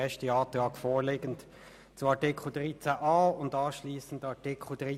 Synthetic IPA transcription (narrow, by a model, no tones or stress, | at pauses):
ɛʃtəɑːtlɑːkfoːleːɡən̩t | t͡suɑtɪkʰl̩dʁit͡sæʔɑːʊndɑːʃliːsən̩dɑtɪkʰl̩d̥ʁi